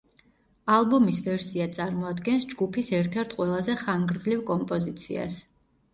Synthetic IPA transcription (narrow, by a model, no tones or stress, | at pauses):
alˠbɔmisvɛɾsiat̪sʼaɾmɔad̪ɡɛnsd͡ʒɡupʰisɛɾt̪ʰɛɾt̪ʰqʼwɛlˠazɛχaŋɡɾd̪zlivkʼɔmpʼɔzit̪sʰḭa̰s